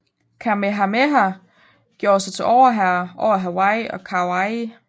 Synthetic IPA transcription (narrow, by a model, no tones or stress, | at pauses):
kʰæmeɦæmeɦæ | ɡ̥jo̝ːsɑ̈ɪt͡sʰe̝ʔɒʊ̰ɐɦæɐʔɒʊ̰ɐɦæwɑɪɒkʰɑwɑɪ